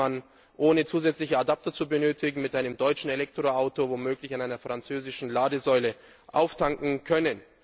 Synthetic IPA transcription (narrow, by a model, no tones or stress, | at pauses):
an | ʔoːnət͡suːzɛt͡slɪçəadap̚tɐt͡subənøːtʰɪɡŋ̩mɪtʔaɪnəmdɔʏt͡ʃn̩elɛk̚tʁ̥oaʊtovomøːklɪçanʔaɪnɐfʁ̥ant͡søːzɪʃn̩laːdəzɔʏlə | ʔa̰ʊftʰaŋkŋ̩kʰœnən